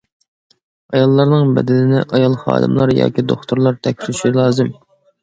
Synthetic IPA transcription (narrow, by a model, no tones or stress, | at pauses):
ɑjɑlˠːɑɾnɨŋbɛ̰d̪ɛnɪnɪʔɑjɑlˠχɑ̰ːd̪ɨmlˠɑɾjɑ̰ːkʲid̪oχt̪ʰuɾlˠɑɾt̪ʰɛkʲʰi̥lʃilˠɑːzɨm